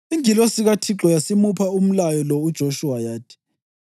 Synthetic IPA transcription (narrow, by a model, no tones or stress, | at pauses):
iŋilɔsiɣatʰiǁɔjasimupʰaum̩lajɔlɔud̥ʒ̥ʱoʃuwajaːd̥ʱʼi̥